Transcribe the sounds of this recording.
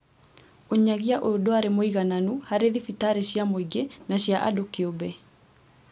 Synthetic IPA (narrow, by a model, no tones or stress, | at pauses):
oɲaɣiaʔodoaɾemoiɣananuhaɾeðifitaɾeɕjamoiɡenaɕiaʔa̰dokeobɛ